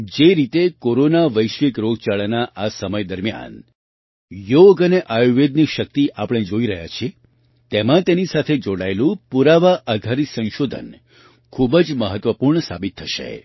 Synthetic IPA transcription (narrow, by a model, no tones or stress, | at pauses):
d͡ʒeɾit̪ekoɾonaʋəjʃʋikɾoɡt͡ʃaɭanaʔasəməjd̪əɾmja̰n | joɡəneʔajuʋed̪nikʃək̚t̪iʔapəɽ̃ed͡ʒoiɾəɦja̰t͡ʃʰie | t̪emãt̪enisat̪ʰed͡ʒoɽaelũpuɾaʋaʔad̪ʱaɾisə̃nʃod̪ʱə̰n | kʰubəd͡ʒməɦət̪ʋəpuɾɳəsa̰bit̪ʰːəʃḛ